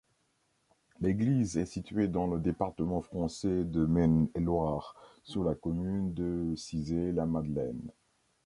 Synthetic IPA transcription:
leɡlizɛsit̪ɥed̪ɑ̃ləd̪epaʁt̪əmɑ̃fχɑ̃sɛd̪əmɛnlwaʁsulakɔmynd̪əsizelamad̪lɛn

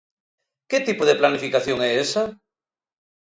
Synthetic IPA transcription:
ket̪ipʊðeplanifikaθjoŋɛesɐ

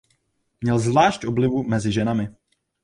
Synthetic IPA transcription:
mɲɛlzvlaːʃcʔoblɪvumɛzɪʒɛnamɪ

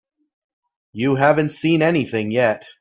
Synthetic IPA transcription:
jɨɦævɨ̃ntsĩnɛniθɪ̃ŋjɛt̚

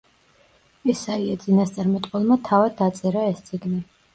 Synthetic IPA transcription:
ɛsaiad̪zʼinast̪sʼaɾmɛt̪ʼqʼwɛlˠmat̪ʰavad̪ːat̪sʼɛɾaɛst̪sʼiɡni

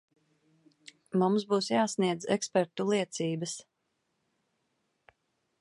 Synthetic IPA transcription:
mumsbuːsjaːsniɛd̪zɛ̰kspɛɾt̪ulˠiɛt̪siːbəs

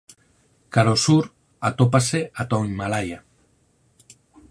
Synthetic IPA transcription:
kaɾosuɾ | at̪opaseat̪oimalaja

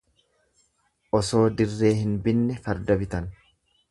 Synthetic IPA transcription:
ʔɔso̞ːd̪ɪrːe̞ːɦɪnbɪnːɛfɐɾd̪ɐbɪt̪ɐn

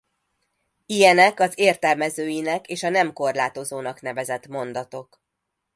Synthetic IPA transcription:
ijɛnɛkɒzeːrt̪ɛlmɛzøːjinɛkeːʃɒnɛmko̞rlaːt̪o̞zoːnɒknɛvɛzɛt̪mo̞nd̪ɒt̪o̞k

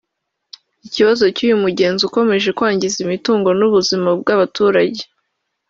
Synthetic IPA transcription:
iciβazo̞cuːjumuɟe̞ːnzuko̞me̞ʒe̞kwaːɲɟizimituːŋɡo̞nuβuzimab̚ɡaβatuːɾaɟe̞

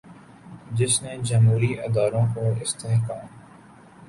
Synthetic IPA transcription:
d͡ʒɪsnẽːd͡ʒəmɦuːɾiːʔɪd̪aːɾõkoːɪst̪eːɦkaːm

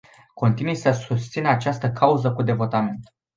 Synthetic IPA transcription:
ko̞nt̪inujsəsust̪sinat͡ʃast̪əkʰauzəkud̪e̞vo̞t̪amint̪

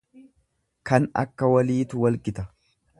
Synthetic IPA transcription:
kɐnɐ̰kːɐwɐliːt̪ʊwɐlkʼɪt̪ɐ

